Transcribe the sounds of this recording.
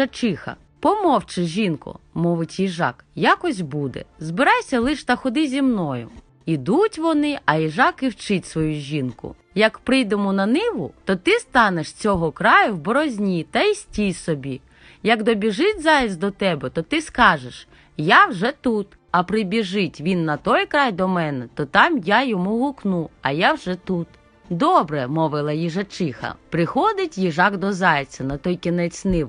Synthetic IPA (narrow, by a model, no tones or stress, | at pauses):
ɐt͡ʃɪxɐ̰ | pɔmɔwt͡ʃɪʒʲinkʊ̰mɔʋɪtʲjiʒɑ̰kjakɔsʲbud̪ɛ̰zbɪɾɑjsʲɐlˠɪʃt̪ɐxɔd̪ɪzʲimnɔjʊ̰ | id̪utʲʋɔnɪɐjiʒɑkiwt͡ʃɪtʲsʋɔjuʒʲinkʊ̰ | jɐkpɾɪjd̪emʊnɐnɪʋʊ̰t̪ɔt̪ɪst̪ɑneʃt͡sʲɔɦɔkɾɑjʊwbɔɾɔzʲnʲit̪ɐisʲtʲijsɔbʲi | jɐkd̪ɔbʲiʒɪtʲzɑjt͡sʲd̪ɔt̪ɛbɛt̪ɔt̪ɪskɑʒeʃ | jawʒɛt̪ut̪ | ɐpɾɪbʲiʒɪtʲʋʲinːɐt̪ɔjkɾɑjd̪ɔmɛnɛt̪ɔt̪ɑmjajɔmuɦuknuɐjawʒɛt̪ut̪ | d̪ɔbɾɛmɔʋɪlˠɐjiʒɐt͡ʃɪxɐ̰pɾɪxɔd̪ɪtʲjiʒɑkd̪ɔzɑjt͡sʲɐnɐt̪ɔjkʲinɛt͡sʲnɪʋ